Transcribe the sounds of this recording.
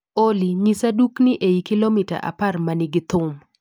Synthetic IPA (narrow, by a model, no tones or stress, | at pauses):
oliɲisaduknɪʔejikɪlomita̰ʔa̰parmanɪɡɪt̪ʊm